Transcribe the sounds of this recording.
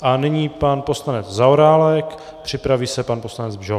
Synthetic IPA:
ʔanɪɲiːpanpo̞slanɛd͡zzaoɾaːlɛk | pr̝̥ɪpɾaviːsɛpanposlanɛd͡zbʒo

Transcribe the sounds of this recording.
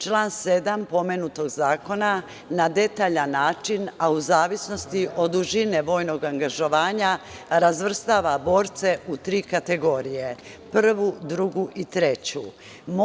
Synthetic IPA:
t͡ʃlaːnse̞d̪ampo̞menut̪o̞ɡzaːko̞na | nad̪e̞t̪aːʎanːaːt͡ʃinauzaːʋisno̞st̪iʔo̞d̪uʒine̞ʋo̞ːjno̞ɡaŋɡaʒo̞ʋaːɲaɾazʋr̩st̪aʋabo̞ːɾt̪se̞ut̪ɾiːkat̪e̞ɡo̞ɾije | pr̩ʋud̪ɾuɡuʔit̪ɾe̞t͡ɕṵ | m

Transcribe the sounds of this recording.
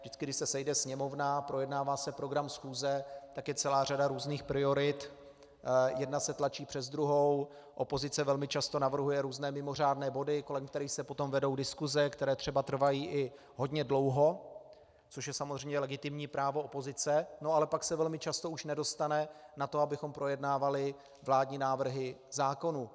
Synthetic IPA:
vdɪt͡skɪɡdɪʃsɛsɛjdɛsɲɛmo̞vnapɾo̞jɛdnaːvaːsɛpɾo̞ɡɾamsxuːzɛt̪akjɛt͡sɛlaːr̝adaɾuːzniːxpɾɪo̞ɾɪt̪ | jɛdnasɛt̪lat͡ʃiːpr̝̥ɛzd̪ɾuɦo̞w | ʔopo̞zɪt͡sɛvɛlmɪt͡ʃast̪o̞navr̩ɦujɛɾuːznɛːmɪmo̞r̝aːdnɛːbo̞dɪko̞lɛmk̚t̪ɛɾiːxsɛpo̞t̪o̞mvɛdo̞wdɪskuzɛkt̪ɛɾɛːt̪r̥ɛbat̪r̩vajiːʔɪ | ɦo̞dɲɛdlo̞wɦo̞ | t͡soʃjɛsamozrɛjmɲɛlɛɡɪt̪ɪmɲiːpɾaːvo̞opo̞zɪt͡sɛno̞alɛpaksɛvɛlmɪt͡ʃast̪o̞uʃnɛdo̞st̪anɛnat̪oabɪxo̞mpɾo̞jɛdnaːvalɪ | vlaːdɲiːnaːvr̩ɦɪzaːko̞nu

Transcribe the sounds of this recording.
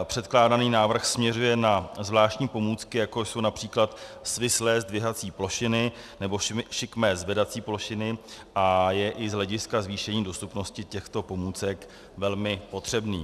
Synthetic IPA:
pr̝̥ɛt̪klaːdaniːnaːvr̩xsmɲɛrujɛnazvlaːʃcɲiːpo̞muːt͡skɪjako̞jso̞wnapr̝̥iːklat̪svɪslɛːzdvɪɦat͡siːplo̞ʃɪnɪ | nɛbo̞ʃɪkmɛːzvɛdat͡siːplo̞ʃɪnɪʔajɛʔɪzɦlɛɟɪskazviːʃɛɲiːdo̞st̪upno̞scɪcɛxt̪o̞po̞muːt͡sɛk | vɛlmɪpo̞t̪r̥ɛbnḭː

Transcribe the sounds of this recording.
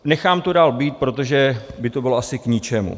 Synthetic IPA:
nɛxaːmt̪odaːlbiːt̪̚pɾo̞t̪o̞ʒɛbɪt̪o̞bɪloasɪkɲɪt͡ʃɛmṵ

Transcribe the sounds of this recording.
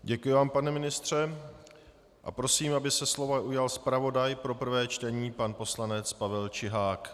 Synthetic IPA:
ɟɛkujɪvaːmpanɛmɪnɪst̪r̝̥ɛ | ʔa̰pɾo̞siːmʔabɪsɛslo̞vaʔujalspɾavo̞dajpɾo̞pr̩vɛːt͡ʃt̪ɛɲiːpanpo̞slanɛt͡spavɛlt͡ʃɪɦaːk

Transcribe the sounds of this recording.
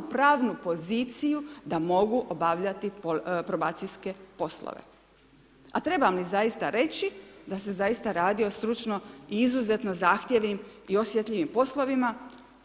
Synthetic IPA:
pɾaːʋnupo̞ziːt̪sijud̪amo̞ɡuʔo̞baʋʎat̪ipɾobaːt̪siske̞po̞slo̰ʋḛ | at̪ɾe̞bamlizajist̪aɾe̞t͡ɕid̪ase̞zajist̪aɾaːd̪io̞st̪ɾut͡ʃno̞iizuze̞t̪no̞zaːxt̪je̞ʋnim | iosjet̪lʎʲiʋimpo̞slo̞ʋima

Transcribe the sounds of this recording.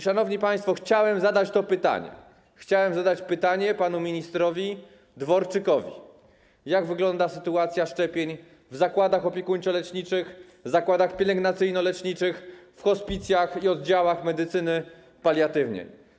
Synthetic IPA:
ʂanɔvɲipaj̃st̪fɔxt͡ɕawɛmzad̪at͡ɕt̪ɔpɘt̪a̰ɲɛ̰ | xt͡ɕawɛmzad̪at͡ɕpɘt̪aɲɛpanumʲiɲist̪ɾɔvʲi | d̪vɔɾt͡ʂɘkɔvʲḭ | jaɡvɘɡlɔnd̪asɘt̪uat̪sʲjaʂt͡ʂɛpʲjeɲ | vzakwad̪axɔpʲjɛkuɲt͡ɕɔlɛt͡ʂɲit͡ʂɘx | zakwad̪axpʲɛlɛŋɡnat̪sɘjnɔlɛt͡ʂɲit͡ʂɘxfxɔspʲit̪sʲjaxiɔd̪̚d͡ʑawaxmɛd̪ɘt̪sɘnɘ | palʲjat̪ɘvɲɛ̰j

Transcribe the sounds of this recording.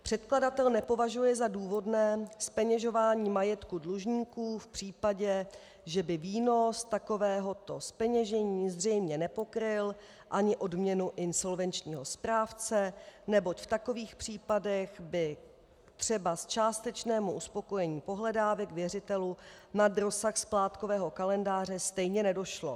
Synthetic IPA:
pr̥ɛt̪kladat̪ɛlnɛpo̞vaʒujɛzaduːvo̞dnɛːspɛɲɛʒo̞vaːɲiːmajɛt̪kudluʒɲiːkuːfpr̥iːpaɟɛ | ʒɛbɪviːno̞st̪ako̞vɛːɦo̞t̪o̞spɛɲɛʒɛɲiːzr̝ɛjmɲɛnɛpo̞kɾɪl | ʔaɲɪʔo̞dmɲɛnuʔɪnso̞lvɛnt͡ʃɲiːɦo̞spɾaːft͡sɛnɛbo̞c̪ft̪ako̞viːxpr̥iːpadɛɣbɪ | t̪r̝̥ɛbast͡ʃaːst̪ɛt͡ʃnɛːmuʔuspo̞ko̞jɛɲiːpo̞ɦlɛdaːvɛkvjɛrɪt̪ɛlunad̪ɾo̞saxsplaːt̪ko̞vɛːɦo̞kalɛndaːr̝ɛst̪ɛjɲɛnɛdo̞ʃlo̞

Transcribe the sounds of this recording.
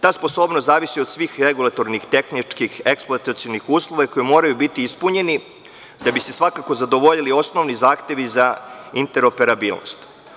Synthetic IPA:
t̪aːspo̞so̞ːbnost̪zaːʋisiod̪sʋiːxɾe̞ɡulˠat̪o̞ɾnixt̪e̞xnit͡ʃkixeksploat̪at̪sionixuːslˠo̞ʋako̞jimo̞ːɾajubit̪iispuɲe̞ni | d̪abise̞sʋakako̞zad̪o̞ʋo̞ʎilio̞sno̞ʋnizaːxt̪e̞ʋizaint̪e̞ɾo̞pe̞ɾabiːlˠno̰st̪

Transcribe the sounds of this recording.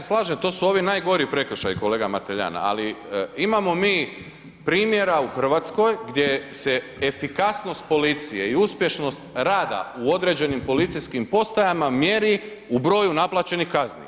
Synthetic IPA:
eslˠaːʒemt̪o̞ːsuoʋinaːjɡo̞ɾiipɾe̞kr̩ʃajiko̞le̞ːɡamat̪eʎa̰na̰a̰liimamo̞miː | pɾiːmje̞ɾauxr̩ʋaːt̪sko̞jɡd̪je̞se̞ | efikasno̞st̪̚po̞lit̪sije̞iuspje̞ʃno̞st̪ɾaːd̪a̰uo̞d̪ɾe̞d͡ʑe̞nimpo̞lit̪siskimpo̞st̪ajamamje̞ɾi | ubɾo̞ːjunaplˠat͡ɕe̞nixkaznḭ

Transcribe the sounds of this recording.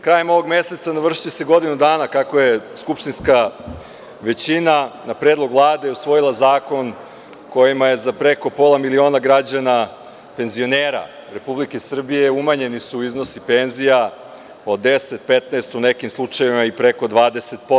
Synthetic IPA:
kɾaːje̞mo̞ʋo̞ɡme̞se̞t̪sanaʋr̩ʃi̥t͡ɕese̞ɡo̞d̪inud̪aːnakakoje̞skupʃt̪inska | ʋe̞t͡ɕinanapɾeːd̪lˠo̞ɡvlˠaːd̪eusʋo̞jilˠazaːko̞n | ko̞jimaje̞zapɾe̞ko̞po̞ːlˠamilio̞ːnaɡɾad͡ʑana | pe̞nzio̞neːɾa̰ | ɾe̞publike̞sr̩bijeumaɲe̞nisuːizno̞sipenzija | o̞d̪eset̪̚pet̪naest̪une̞kimslˠut͡ʃajeʋimaipɾe̞ko̞d̪ʋaːd̪ese̞t̪̚po

